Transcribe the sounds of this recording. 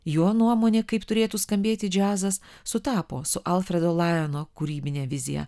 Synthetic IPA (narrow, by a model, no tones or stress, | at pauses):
joːnuɔmoːnʲeːkɐɪpt̪ʊɾʲeːt̪uːskɐmʲbʲeːt̪ʲɪd͡ʒʲæːzɐs | sʊt̪ɑːpo̰ːsʊʔɐlˠfʲɾʲɛd̪oːlˠɑjɛnoːkʊɾʲiːbʲɪnʲɛːʋʲɪzʲɪjɛ̰